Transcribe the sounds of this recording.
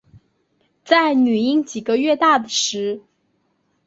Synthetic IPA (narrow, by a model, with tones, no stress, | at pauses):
t͡sa˥˩ɪny˨˩i˥˧ŋt͡ɕi˨˩ɡə˦ɥɛ˥˧t̪a˥˩d̪ə˩ʂɻ̩˧˥